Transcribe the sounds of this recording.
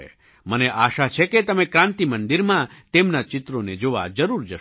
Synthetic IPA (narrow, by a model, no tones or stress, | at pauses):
ḛ | məneʔaʃat͡ʃʰeket̪əmekɾãnt̪imənd̪iɾmãt̪emnat͡ʃɪt̪ɾoned͡ʒoʋa̰d͡ʒəɾuɾd͡ʒəʃ